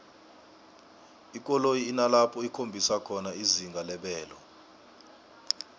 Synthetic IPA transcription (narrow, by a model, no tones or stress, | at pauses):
ik̬ʼɔlojiːnalapʰɔikʰombʱisakʰɔnaiziŋɡʱalɛɓɛːlɔ